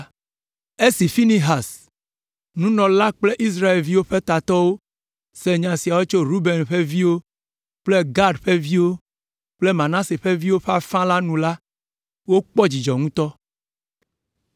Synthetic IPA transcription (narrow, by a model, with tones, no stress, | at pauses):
e˦si˨fi˦nĩ˦ɦa˨s | nũ˦nɔ̃˨la˦k͡ple˦ʔi˦s̬ɾa˦e˨lvi˦wo˦ɸe˦t̪a˨t̪ɔ˦wo˦ | se˨ɲã˨si˨a˨wo˦t͡ʃo˦ɾu˦be˨nɸe˦vi˦wo˦ | k͡ple˦ɡa˦ɖɸe˦vi˦wo˦ | k͡ple˦mã˨nã˦se˨ɸe˦vi˦wo˦ɸe˦a˨fã˦la˦nũ˨la˦ | wo˦k͡pɔ˦d͡ʑi˨d͡ʒɔ˨ŋũ˦t̪ɔ˦